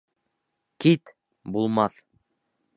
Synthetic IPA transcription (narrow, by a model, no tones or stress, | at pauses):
kʲit̪ | bulˠmɑθ